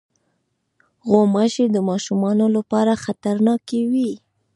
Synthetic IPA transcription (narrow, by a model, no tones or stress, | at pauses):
ɣomaʃed̪əmɑʃumɑnolapɑɾaxat̪aɾnɑkewi